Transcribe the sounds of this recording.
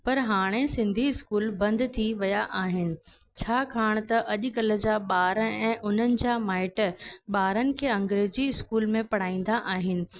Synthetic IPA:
pɐɾɦaːɽ̃esɪ̃nd̪ʱiɪskuːlbɐ̃nd̪t̪ʰiʋɐjaʔaːɦɪnɪ̆ | t͡ɕʰaːkʰaːɽ̃t̪ɐʔɐʄʊ̆kɐlə̆d͡ʑaɓaːɾəɛ̃ːʔʊn̤ənɪ̆d͡ʑaːmaːɪʈɓaːɾənɪ̆kʰeːɐ̃ŋɡɾeːziɪskuːlmẽpɐɽ̤aːĩːnd̪aʔaːɦɪnɪ̆

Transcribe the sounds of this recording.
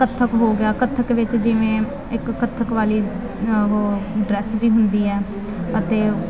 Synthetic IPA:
kət̪ʰːəkɦoːɡɪjaːkət̪ʰːəkʋɪt͡ʃd͡ʒɪʋẽː | ɪkːət̪ʰːəkʋaːliː | ɦoːɖɾɛːsd͡ʒiːɦʊnd̪iːɦɛː | ət̪eː

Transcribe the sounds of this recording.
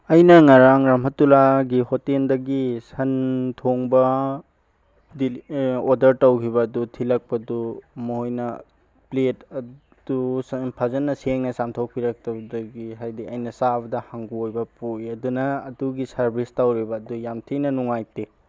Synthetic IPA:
ɐjnɐŋɐɾaŋɾɐmɦɐtulaɡihoteldɐɡisɐntʰoŋbɐ | diodɐɾtɐwkʰibɐːdutʰilɐk̚pɐdumoɦojnɐ | pletɐ | d̥upʰazɐnːɐseŋnɐsamtʰok̚piɾɐk̚tɐbɐdɐɡiɦajdiɐjnɐsabɐdɐhaŋɡuojbɐpujɐdunɐːduɡisɐɾbʱistawɾibɐːdujamtʰinɐnuŋajte

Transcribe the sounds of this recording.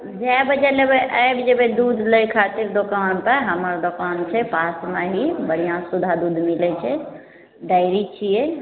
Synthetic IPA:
d͡ʒabəd͡ʒɛlebeʔajbid͡ʒebed̪ud̪ʱləjkʰat̪iɾd̪okanpəɾɦəməɾd̪okant͡ʃʰɛpasmeɦibəɽ̤ijãsud̪ʱad̪ud̪ʱmilɛt͡ʃʰɛ | ɖaɪɾit͡ʃʰijɛ

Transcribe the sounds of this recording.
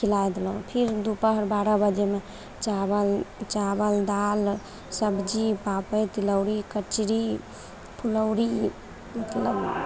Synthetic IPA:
kʰilajd̪elũpʰiɾd̪upəɦəɾbaɾabəd͡ʒeme | t͡ʃabəlt͡ʃabəld̪al | səbd͡ʒipapəjt̪iləʊɾikət͡ʃɾi | pʰuləʊɾi | mət̪ləb

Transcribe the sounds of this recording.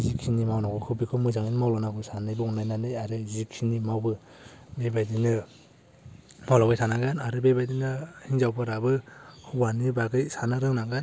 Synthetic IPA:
zikʰinimawnaɡɯkʰɯbikʰɯmɯzaŋinmawlanaɡɯsanɯjbɯunajnanɯjaɾɯzikʰinimawbɯ | bebajdinɯ | mawlawbajsʰanaɡanaɾɯbebajdinɯhiŋzawbʰɯɾabɯhɯwanibaɡɯjsanaɾɯŋnaŋɡan

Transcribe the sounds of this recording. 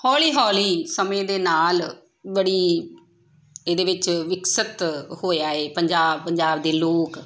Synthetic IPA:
hɔːliːɦɔːliːsəmẽːd̪eːnaːl | bəɽiː | eːd̪eːʋɪt͡ʃʋɪksət̪hoːjaːeːpəɲd͡ʒaːbpəɲd͡ʒaːbd̪eːloːk

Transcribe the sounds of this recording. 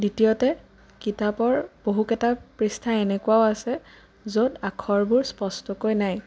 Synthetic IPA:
ditijɔtɛ | kitapɔɹb̥oɦukɛtapɹistʰaɛnɛkuaoasɛ | zodakʰɔɹbuɹspɔstɔkojnaj

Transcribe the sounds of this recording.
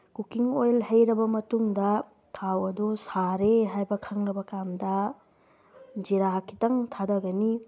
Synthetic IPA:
kukiŋojlhɐjɾɐbɐmɐtuŋdɐ | tʰawɐdusaɾeɦajbɐkʰɐŋɾɐbɐkamdɐ | d͡ʒiɾakʰi̥tɐŋtʰadɐɡɐni

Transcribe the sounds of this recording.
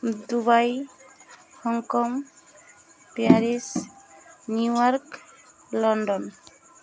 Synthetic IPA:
d̪ubaj | hɔŋkɔm | pjaɾis | njujɔɾk | lɔɳɖɔn

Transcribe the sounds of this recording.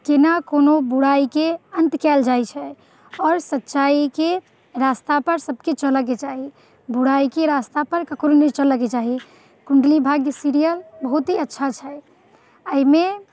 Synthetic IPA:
kenakonobuɽaikeənt̪kɛld͡ʒajt͡ʃʰɛ | ɔːɾsətːʃaike | ɾast̪apəɾsəb̚ʱket͡ʃələk̬et͡ʃaɦi | buɽaikeɾast̪apəɾkəkʰɾonɛt͡ʃələket͡ʃaɦi | kuɳɖlibʱaɡjəsiɾijəlbəɦut̪ɦiətːʃʰat͡ʃʰɛ | əime

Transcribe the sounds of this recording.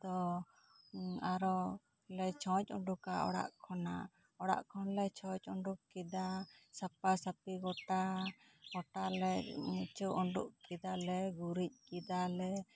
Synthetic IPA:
d̪ɔ | aɾɔ | lɛt͡ʃʰɔ̃t͡ʃ̚ˀɔɳɖukaɔ̰ɽa̰ʔkʰɔna̰ | ɔɽa̰ʔkʰɔnlɛt͡ʃʰɔ̃c̚ˀɔɳɖukkid̪asapasapiɡɔʈa | ɡɔʈalɛmut͡ʃuʔɔɳɖuʔkid̪alɛɡuɾic̚kid̪alɛ

